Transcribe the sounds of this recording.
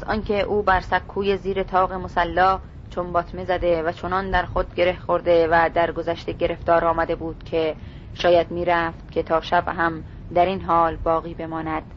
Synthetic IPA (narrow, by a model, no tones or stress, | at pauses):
æzɒːncʰe̞ʔuːbæɾsækʰːuːje̞ziːɾe̞t̪ʰɒːɣe̞mo̞sælːɒː | t͡ʃʰonbɒːt̪ʰme̞zæd̪e̞væt͡ʃʰo̞nɒnd̪æɾxod̪̚ɟe̞ɾe̞hxo̞ɾd̪e̞væd̪æɾɡo̞zæʃt̪e̞ɟe̞ɾe̞ft̪ɒːɾɒːmæd̪e̞buːd̪̥kʰe̞ | ʃɒːjæd̪miːɾæft̪̚kʲʰe̞t̪ʰɒːʃæbɦæm | d̪æɾinɦɒːlbɒːɣiːbe̞mɒːnæd̪̥